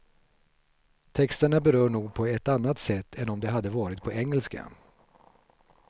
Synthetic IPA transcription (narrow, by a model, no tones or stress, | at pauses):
t̪ʰɛkst̪əɳabɛɾœːɳuːɡ̚pʰɔɛt̪anːat̪sɛt̪ʰːɛnɔmd̪ɛɦad̪ːəvɑːɾɪt̪̚pʰɔʔɛŋːɛlska̰